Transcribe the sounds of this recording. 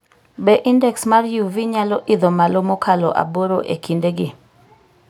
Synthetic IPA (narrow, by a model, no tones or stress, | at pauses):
beʔindɛksmarjuviɲalɔʔɪd̪omalomokʰalɔ̰ʔa̰boɾoʔekʰindeɡɪ